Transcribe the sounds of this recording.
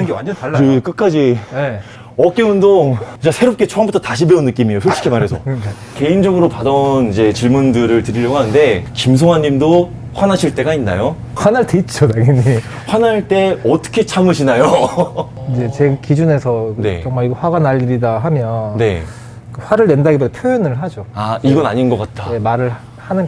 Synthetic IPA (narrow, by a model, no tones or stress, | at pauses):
ɯŋɡewa̰nd͡ʑʌnaɭːaɯk͈ɯk͈ad͡ʑine | ʌk͈eundot͡ɕasʰeɾop̚k͈et͡ɕʰoambutʰʌtaɕʰibeunːɯk͈imijosʰot͡ɕ͈ʰi̥kʰemaɾɦe̞sʰʌ | ke̞ind͡ʑʌɡɯɾopadʌnid͡ʑe̞t͡ɕiɭmundɯɾɯɭtɯɾiʎjʌɡoɦanɯnde̞kims̬ʰoŋaɲːimdo | ɸwanaɕʰiɭt͈e̞ɡainːa̰jo | ɸwanaɭtet͡ɕ͈odaɡiɲːi | ɸwanaɭt͈e̞ʌt͈ʌ̥kʰe̞t͡ɕʰamɯɕʰinajo | id͡ʑe̞t͡ɕe̞ɡkid͡ʑune̞sʰʌne̞̰t͡ɕʌŋmaɾiɡɸwaɡanaʎːiɾidaɦamjʌnne̞ | kɯɸwaɾɯɭne̞ndaɡibodapʰjojonɯɭɦad͡ʑoaiɡʌnaɲinɡʌk͈at̚t͈ʰae̞maɾɯɭ | hanɯn